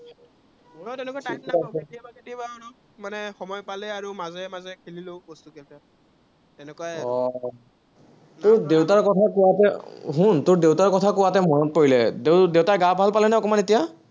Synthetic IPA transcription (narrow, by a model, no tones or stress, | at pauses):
tɛnɛkaknaaiabaɡetibaɔn | manɛxɔmɔjpalɛaɹumazɛmazɛkʰililobɔstukɛlpa | tɛnɛkuwaɔ | tʊɹdewtaɹkɔtʰakʊwatɛɦuntʊɹdewtaɹkɔtʰakʊwatɛmɔnɔt̚poɹilɛdedewtaɹɡabʱalpalɛnɛɔkɔmanetija